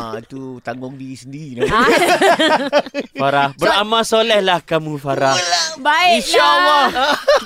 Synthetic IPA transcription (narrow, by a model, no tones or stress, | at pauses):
ait̪ut̪aŋɡʊŋdiɾisəndiɾina | faɾahbəɾamãsolɛhlahkamũfaɾahbaɪinʃalːɔ